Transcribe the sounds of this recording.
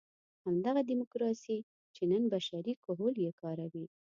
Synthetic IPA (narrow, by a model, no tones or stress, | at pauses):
hamd̪aɣad̪imʊkɾɑsi | t͡ʃenənbaʃaɾikʊɦoljekɑɾawi